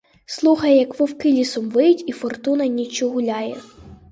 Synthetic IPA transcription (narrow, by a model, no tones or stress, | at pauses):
slˠuxɐjjɐkʋɔwkɪlʲisɔmʋɪjʊtʲifɔrt̪unɐnʲit͡ʃɔɦʊlʲɑjɛ